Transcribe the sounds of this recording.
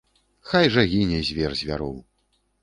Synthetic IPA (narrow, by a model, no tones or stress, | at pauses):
xajʐɐɣʲinʲɛzʲvʲɛrzʲvʲa̰ɾɔw